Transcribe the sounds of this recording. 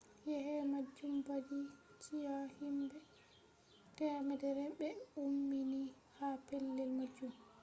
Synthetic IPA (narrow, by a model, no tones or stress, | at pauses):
jɛhɛmad͡ʒːumbad͡ʒit͡ʃijahimbɛ | tɛmɛdɛɾɛbɛumːini | hapɛlːɛlmad͡ʒːum